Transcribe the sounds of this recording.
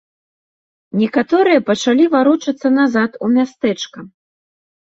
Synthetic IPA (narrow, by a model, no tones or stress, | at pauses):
nʲɛkat̪ɔɾɨjɐpɐt͡ʂalʲivaɾut͡ʂɐt̪sːɐnazat̪umʲast̪ɛt͡ʂkɐ